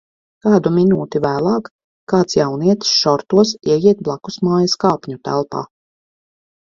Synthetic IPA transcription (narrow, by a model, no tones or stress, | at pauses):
kaːd̪uminuːt̪ivæːlˠɑːkː | aːt̪sjawniɛt̪sʃɔɾt̪uɔsiɛjiɛt̪̚blˠakusmaːjɐskaːpʲɲut̪æ̰lˠpa̰ː